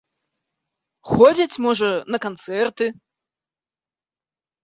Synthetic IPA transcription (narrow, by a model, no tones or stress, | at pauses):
xɔd͡zʲit͡sʲmɔʐɐnɐkant̪sɛrt̪ɨ